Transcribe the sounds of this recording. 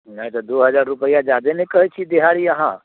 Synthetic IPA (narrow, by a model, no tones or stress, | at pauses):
najt̪ɔd̪oɦəd͡ʒaɾːupəjad͡ʒad̪enekəɦɛt͡ʃʰid̪eɦaɾiəɦã